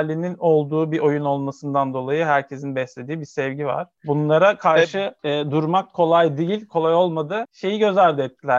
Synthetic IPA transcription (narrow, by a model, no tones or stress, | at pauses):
lʲːinino̞lˠd̪uːbiʔo̞juno̞lˠmasɯnd̪and̪o̞lˠajɯɦæɾcʰe̞sinbɛslʲe̞d̪iːbisɛvɟiva̰ɾ̥bunlˠaɾakʰaɾʃɯːd̪uɾmakʰːo̞lˠajd̪ijilʲkʰo̞lˠajo̞lˠmad̪ɯʃe̞jiɟø̞zæɾd̪ɛt̪ːilʲæ